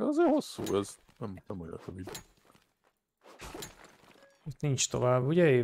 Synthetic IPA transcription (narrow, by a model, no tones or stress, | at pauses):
ɛɒzeːho̞sːṵːɛz | nɛmnɛmojo̰nøvid̪ | it̪nint͡ʃt̪o̞̰vaːbːuɟɛeː